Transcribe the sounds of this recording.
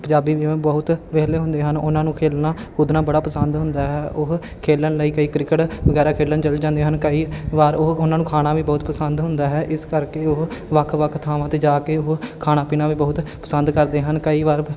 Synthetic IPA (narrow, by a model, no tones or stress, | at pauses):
pəɲd͡ʒaːbiːʋĩːbəɦʊt̪ʋeːleːɦʊ̃nd̪eːɦənʊnãːnũːkʰeːlnãːkʊd̪naːbəɽaːpəsənd̪ɦʊ̃nd̪aːɦɛːʔʊɦ | kʰeːlənləiːkəiːkɾɪkəʈʋəɡɛːɾaːkʰeːlənt͡ʃəld͡ʒãːnd̪eːɦənkəiːʋaːɾʊɦʊnãːnũːkʰaːñaːʋiːbəɦʊt̪pəsənd̪ɦʊnd̪aːɦɛːʔɪskəɾkeːʊɦʋəkʰʋəkʰt̪ʰaːʋãːt̪eːd͡ʒaːkeːʊɦkʰaːɽ̃aːpiːnãːʋiːbəɦʊt̪pəsə̃nd̪kəɾd̪eːɦənkəiːʋaːɾ